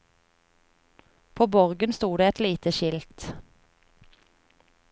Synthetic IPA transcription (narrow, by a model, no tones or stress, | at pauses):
pʰoːbɔʁɡənst̪uːd̪eːɛt̪liːt̪əʃɪlt̪